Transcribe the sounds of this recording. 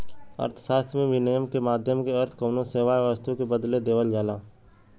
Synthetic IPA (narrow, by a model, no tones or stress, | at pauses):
ə̰ɾt̪ʰsaːst̪ʰmẽʋɪnejəmkemaːd̪ʱjəmkeɐɾt̪ʰkoːnoseːʋaːeʋəst̪ukebəd̪led̪eːʋəld͡ʒaːlaː